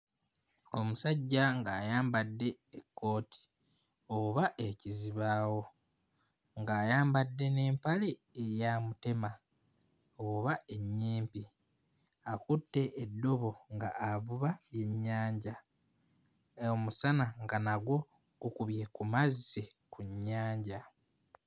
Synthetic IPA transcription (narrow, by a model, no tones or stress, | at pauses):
o̞musaɟːaŋɡaːjaːmbadːe̞ekːo̞ːtʰi̥ | oβaʔe̞ciziβaːwo̞ | ŋɡaːjaːmbadːe̞ne̞ːmpale̞ejaːmute̞ma | oβae̞ɲːiːmpi | akutːe̞ʔːdːo̞βo̞ŋɡaavuβaβje̞ɲːaːɲɟa | omusanaŋɡanaɡwo̞ | ɡ̥ukuβje̞kumazise̞ | kuɲːaːɲɟa